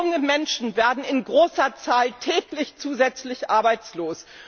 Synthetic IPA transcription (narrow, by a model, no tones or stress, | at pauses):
ʊŋəmɛnʃn̩veːɐdn̩ɪnɡʁoːsɐt͡saːltʰɛːklɪçt͡suːzɛt͡slɪçʔaɐbaɪt͡sloːs